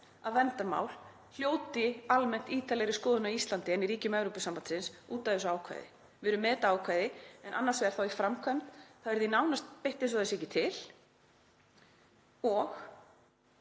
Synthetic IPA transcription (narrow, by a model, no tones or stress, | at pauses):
aðvɛnt̪aɾma̰ːwl | l̥joːwt̪ɪalmɛn̥t̪iːt̪alɛɣɾɪskɔːðʏnaist̪lant̪ɪɛnːiɾiːcʏmɛvɾowpɪsampant̪sɪnsuːt̪aðɛsʏaːwkʰva̰jðɪ̰ | vɪɾʏmːɛːt̪aaːwkʰvajðɪɛnʔa̰nːaɾsvɛɾ̥θawifɾamkʰvœmt̪θavɛɾðinaːwnast̪̚peht̪ɪns̬ɔðɛsɛhcɪt̪ʰɪl̥ | ɔx